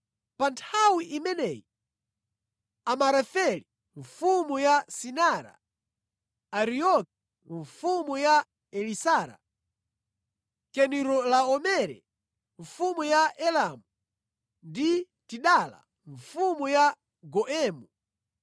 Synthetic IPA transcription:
pantʰawiʔimɛnɛji | amaɾafɛli | ɱfumujasinaɾa̰ | ɾiɔki̥ | ɱfumuja | ɛlisaɾa̰ | kɛniɾɔlaɔmɛɾɛ̰ | ɱfumujaʔɛlamu | ndi | tiɗala̰ | ɱfumuja | ɡɔʔɛːmu

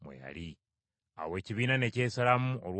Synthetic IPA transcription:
mwḛja̰li | a̰we̞ːciβiːnane̞ceːsalamuolw

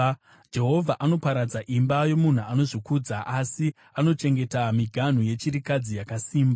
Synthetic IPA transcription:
d͡ʒe̞ɦo̞vʱaʔano̞paɾad͡zaʔimbajo̞mun̤uano̞ʐikuːd͡zaʔasi | ano̞t͡ʃe̞ŋɡe̞tamiɡʱan̤uje̞t͡ʃiɾikad͡zijakasiːmba

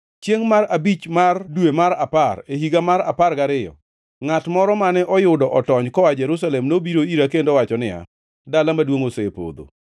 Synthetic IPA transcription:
t͡ʃjeŋmaɾabit͡ʃmardwemaɾaparehiɡamaɾa̰parɡaɾɪjɔ̰ | ŋatmɔɾɔmanɛʔɔjʊdɔʔɔtɔɲkɔwad͡ʒɛɾus̬alɛmnobiɾoiɾakendɔwat͡ʃɔnɪja̰ | dalamadwoŋosepo̰d̪o̰

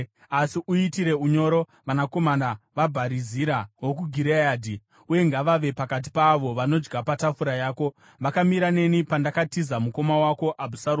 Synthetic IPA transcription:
asiʔuitiɾe̞uɲo̞ɾo̞ | ʋanako̞mandaʋabʱaɾiziɾawok̬uɡʱiɾejaːdʱi | uje̞ŋɡaʋaʋe̞pakat̬i̥paʋo̞ʋano̞d͡ʒɡapatafuɾajaːko̞ | ʋakamiɾane̞nipandakatizamuko̞mawako̞ʔabʱusaɾ

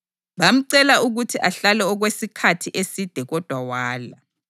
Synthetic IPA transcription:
βam̩ǀɛlaʔuɣutʰiʔaɬalɛɔɣwesikʰatʰiʔesid̥ʱɛɣɔd̥ʱwawaːla

